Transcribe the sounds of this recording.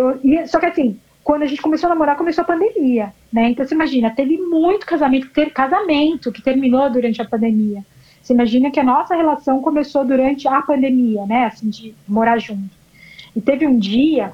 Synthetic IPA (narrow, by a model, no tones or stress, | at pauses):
eɪsɔkɪasĩ | kwɐ̃nd̪ʊɐʒẽnt͡ʃɪkomesoanamoɾakomesoɐpɐ̃nd̪emiɐ | nɛẽnt̪ɐ̃w̃seimaʒĩnɐt̪evɪmũj̃t̪ʊ̥kazamẽnt̪ʊ̥ɪt̪evɪkazamẽnt̪ʊkɪ̥t̪eɾmĩnod̪uɾɐ̃nt͡ʃɪɐpɐ̃nd̪emiɐ | seimaʒĩnɐkɪɐnɔsɐhelasɐ̃w̃komesod̪uɾɐ̃nt͡ʃɪɐpɐ̃nd̪emiɐnɛasĩd͡ʒɪmoɾaʒũt̪ʊ̥ | ɪt̪evɪũd͡ʒiɐ